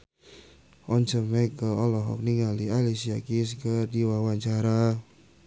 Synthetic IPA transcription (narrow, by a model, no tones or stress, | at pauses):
ɔɲt͡ʃəmɛkəɔlɔɦɔ̰k̚niŋalialisiakiskədiwawaɲt͡ʃaɾa